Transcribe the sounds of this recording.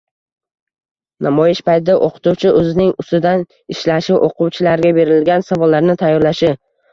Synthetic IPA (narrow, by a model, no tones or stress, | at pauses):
nʔamɒjɪʃpajt̪ʰɪd̪aʔoqʰɨ̥t̪uwt͡ʃʰɪʔɵzɪnɪŋʊst̪ɪd̪an | ɪʃlaʃɪʔoqʰʊwt͡ʃʰɪlaɾɡʲabe̞ɾɪlɡʲansavɒlːaɾnɪt̪ʰajːɒɾlaʃɪ